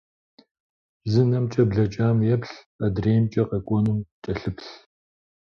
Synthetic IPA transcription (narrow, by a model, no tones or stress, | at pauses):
zɨnɐmt͡ʃʼɐbɮɐt͡ʃʼaːmjɛpɬ | ɐdreːmt͡ʃʼɐqɐkʷʼɔnɨmt͡ʃʼɐɬɨpɬ